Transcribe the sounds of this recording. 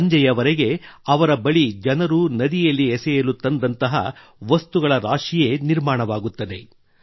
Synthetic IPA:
ɲd͡ʒɐjɐʋɐɾeɡe̞ɐʋɐɾɐbɐɭid͡ʒɐnɐɾunɐd̪ijɐlːiɛsɛjɐlut̪ːɐnd̪ɐnt̪ɐɦɐ̰ | ʋɐst̪uɡɐɭɐɾaːʂijeniɾmaːɳɐʋaːɡut̪ːɐd̪e̞

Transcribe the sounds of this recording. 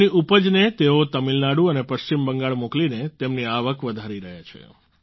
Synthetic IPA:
niupəd͡ʒnet̪eot̪əmilnaɽuənepəʃt͡ʃimbəŋɡaɭmoklinet̪emniaʋəkʋəd̪ʱaɾiɾəɦat͡ʃʰḛ

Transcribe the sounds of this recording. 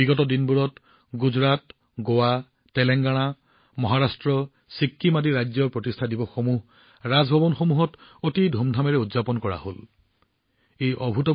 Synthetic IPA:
biɡɔtɔdinbuɹɔt | ɡuzɹat | ɡowa | tɛlɛŋɡaɽ̃a | mɔɦaɹastɹɔ | sikʰːimadiɹajzɔɹpɹɔtistʰadibɔxomuɦ | ɹazbʱɔbɔnxomuɦɔtotidʱomdʱamɛɹɛudzapɔnkɔɹa̰ho̰l | ejʔɔbʱutɔ

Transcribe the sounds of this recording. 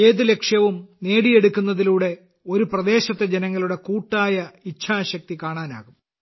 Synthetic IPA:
eːðule̞kʂjɐʋumne̞ːɽie̞ɽukʲːunːɐðiluːɽe̞ | o̞ɾuprɐd̪e̞ːɕɐt̪ːe̞d͡ʑenɐŋːɐluɽe̞kuːʈːaːjɐit͡ɕʰaːɕɐk̚t̪ikaːɳaːna̰ːɣum

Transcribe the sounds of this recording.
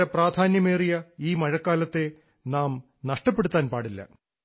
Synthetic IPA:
ɐpraːd̪ʱaːnjɐmeːrijɐiːmɐɻɐkːaːlɐt̪ːe̞ | naːm | nɐʂʈɐpːe̞ɽut̪ːaːnpaːɽilːɐ̰

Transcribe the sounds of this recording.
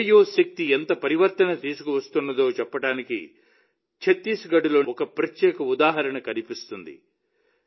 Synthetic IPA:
joːʃek̚t̪ient̪ɐpɐɾiʋɐɾt̪ɐnɐt̪iːsukuʋɐst̪unːɐd̪o̞ːt͡ʃɛpːɐʈaːnikḭ | t͡ʃʰet̪ːiːsɡɐɖulo̞ːɔkɐpɾɐt̪jɛːkɐud̪aːɦɐɾɐɳɐkɐnipist̪und̪ḭ

